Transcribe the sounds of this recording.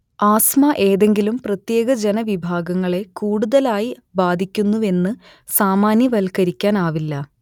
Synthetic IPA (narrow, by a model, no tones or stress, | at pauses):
aːsmɐʔe̞ːðe̞ŋɡilumprɐt̪je̞ːɡɐd͡ʑe̞nɐʋibʱaːɡɐŋːɐɭe̞kuːɽuðɐlaːji | baːd̪ʱikʲːunːue̞nːɨ | saːmaːnjɐʋɐlkɐɾikʲːaːnaːʋilːɐ